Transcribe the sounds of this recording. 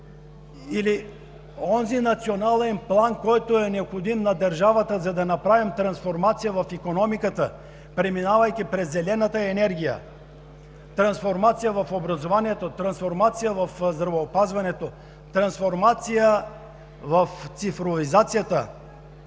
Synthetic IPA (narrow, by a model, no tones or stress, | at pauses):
ili | ɔnzinɐt̪sionalɛnplˠankɔjt̪oɛnɛopxod̪imnɐd̪ɐɾʒavət̪əzɐd̪ɐnɐpɾavimt̪ɾɐnsfoɾmat̪sijəvɐfikonɔmikət̪ə | pɾɛminavɐjk̪ʲipɾɛzːɛlɛnət̪əɛnɛɾɡʲijə̰ | t̪ɾɐnsfoɾmat̪sijəvɐfobɾɐzovaniɛt̪ot̪ɾɐnsfoɾmat̪sijəvɐfzd̪ɾɐvɛopazvɐnɛt̪o | t̪ɾɐnsfoɾmat̪sijə | vɐft̪sifɾovizat̪sijət̪ə